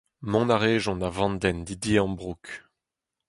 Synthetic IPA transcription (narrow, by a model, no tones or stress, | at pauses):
mɔ̃naʁeːʒɔ̃navɑ̃nd̪ɛnd̪id̪iɑ̃bʁuk